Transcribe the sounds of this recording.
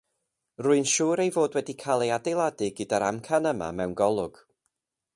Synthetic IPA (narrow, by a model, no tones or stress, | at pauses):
rʊɨnʃuːɾejvoːdwɛdikʰaːlˠejadejlˠadɪɡədaɾa̰mkʰanəma̰mɛwnɡɔlˠʊɡ̥